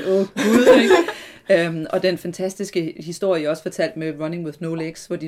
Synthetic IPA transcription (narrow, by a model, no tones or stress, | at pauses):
ɔ̥ɡ̥uðˠeɡømʔɒ̽d̥enfænt͡sʰæsd̥isɡ̥əhisd̥o̝ɐ̰jəjɒ̽sfɒ̽t͡sʰæl̰d̥meʁɐne̝ŋweðˠnoʊleɡ̥sʋɒd̥i